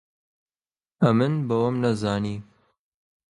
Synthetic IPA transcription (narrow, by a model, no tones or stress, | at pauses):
ɐmɨnbɐwɐmnɐzaːniː